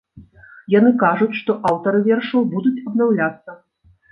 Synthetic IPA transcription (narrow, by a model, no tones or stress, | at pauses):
janɨkaʐut͡sʲʂt̪ɔʔawt̪ɐɾɨvʲɛrʂɐwbud̪ut͡sʲɐb̪nawlʲat̪sːɐ